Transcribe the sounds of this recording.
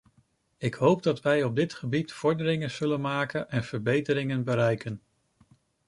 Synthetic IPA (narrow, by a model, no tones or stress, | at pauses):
ɪkɦowp̚dɑtʋɛjɔb̚dɪtχəbitfɔɹdəɾɪŋənz̥ɵlənmaːkənʔɛnv̥əɹbejtəɾɪŋənbəɾɛjkən